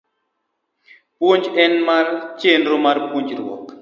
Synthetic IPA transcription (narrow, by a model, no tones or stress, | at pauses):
pwoɲd͡ʒɛnmart͡ʃenɾomarpuɲd͡ʒɾwɔ̰k